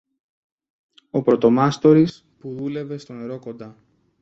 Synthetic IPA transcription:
o̞pɾo̞t̪o̞mɐst̪o̞ɾis | puðule̞ve̞st̪o̞ne̞ɾo̞ko̞nd̪ɐ

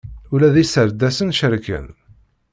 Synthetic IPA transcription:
ʊlæðisəɾd̪æsənʃəɾkə̰n

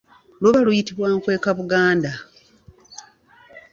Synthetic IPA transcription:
loβalujitiβwaːŋkwe̞ːkaβuɡaːnda

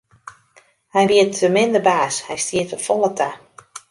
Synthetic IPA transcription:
hɛjʋiətəmɪndəbaːshɛjstiətəfɔlˠətʰa

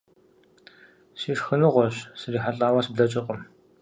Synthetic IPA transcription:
siːʂxɨnɨʁʷɔɕsɨriːħaɬʼaːwɐsbɮɐt͡ʃʼɪqʼəm

